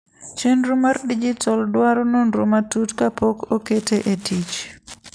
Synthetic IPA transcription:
t͡ʃenɾumardid͡ʒitɔldwaɾononɾomatutkapʰokoketʰeʔetit͡ʃ

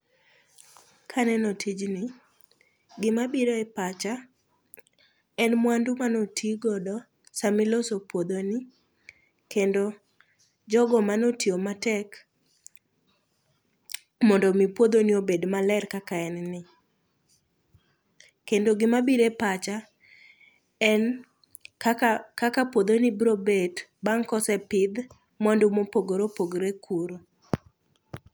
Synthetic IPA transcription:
kʰanɛnotʰid͡ʒnɪ | ɡɪmabiɾoɛpat͡ʃa | ɛnmwandumanotʰiɡɔdɔ | samɪlosopwod̪onɪ | kendo | d͡ʒɔɡɔmanotiomatɛk | mɔndɔmipwod̪oniobedmalɛrkakaɛnnɪ | kendoɡɪmabiɾepat͡ʃa | ɛn | kakapwod̪onɪbɾobetbaŋkɔsɛpɪd̪ | mɔndumopoɡoɾopoɡɾekʰuɾo

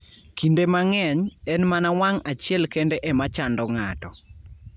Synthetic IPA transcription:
kindemaŋɛɲɛnmanawaŋat͡ʃɪɛlkendeʔɛmat͡ʃandɔŋatɔ

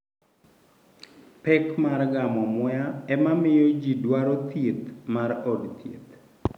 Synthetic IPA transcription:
pɛkmarɡamɔmɔjaɛmamɪjod͡ʒidwaɾɔt̪jet̪̚marɔdt̪jḛt̪

